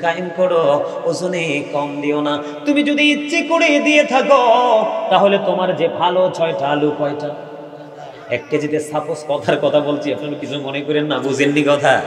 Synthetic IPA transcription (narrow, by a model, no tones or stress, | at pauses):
kajimkoɽo | od͡ʒonekɔmd̪iona | t̪umid͡ʑod̪iitːʃekoɽid̪iet̪ʰakot̪aɦolet̪omaɾd͡ʑebʱalot͡ɕʰɔeʈalukɔjʈa | ɛk̚ʈad͡ʑit̪esaposkɔt̪ʰaɾkɔt̪ʰabolt͡ɕʰiapnaɾikit͡ɕʰumonekɔɾenːabud͡ʑʱenːikɔt̪ʰa